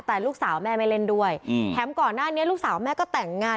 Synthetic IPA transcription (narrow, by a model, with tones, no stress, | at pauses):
t̪ɛː˨˩luː˥˩k̚saː˩˦wmɛː˧˩ma˧jle˧ndu˧əjt̪ʰɛː˦˥mkɔː˨˩nːaː˥˩ni˦˥ɐluː˥˩k̚saː˩˦wmɛː˧˩kɔː˥˩t̪ɛ˨˩ŋːaː˧